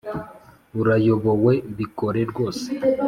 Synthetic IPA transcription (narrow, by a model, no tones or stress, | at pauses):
uɾajo̞βo̞we̞βiko̞ɾeɾɡo̞ːse̥